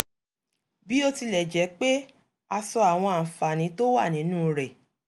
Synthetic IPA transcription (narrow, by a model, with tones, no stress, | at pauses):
bi˦o˦ti˧lɛ˨d͡ʒɛ˨˦k͡pe˦ | a˧sɔ˧a˨w̃ɔ̃˧a˨n̩˨fa˨nĩ˨˦to˦wa˦˨nĩ˨˦nũ˦ɾɛ˨